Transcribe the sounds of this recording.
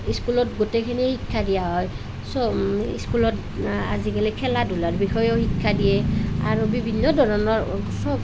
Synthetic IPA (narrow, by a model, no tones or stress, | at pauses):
iskulɔtɡotekʰinihikʰːadijaɦɔj | sɔḭskulɔt | a̰zikalikʰɛladʱulaɹbixɔjɔxikʰːadijɛa̰ɹubibʱinːɔdʱɔɹɔnɔɹsɔb